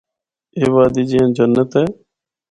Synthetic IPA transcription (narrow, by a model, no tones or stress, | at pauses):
eːʋaːd̪iːd͡ʒijãːd͡ʒənːət̪ɦeː